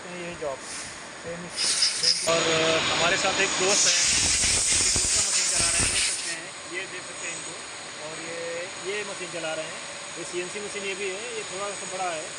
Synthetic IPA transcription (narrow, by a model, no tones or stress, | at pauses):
jeid͡ʒɔːb | seːmɛɔːɾɦɐmaːɾesaːt̪ʰeːkd̪oːst̪ɦɛː | id̪uːsɾamɐsiːnt͡ʃɐlaːɾəɦɛ̃d̪eːksɐk̚t̪eɦɛ̃ | jed̪eːksɐk̚t̪eɦɪ̃nd̪o | ɔːɾe | jemɐsiːnt͡ʃɐlaːɾɐɦeɦɛ̃ː | esiɛnsimɐsiːnjebʱiɦɛjet̪ʰoːɽasabɐɽaɦɛː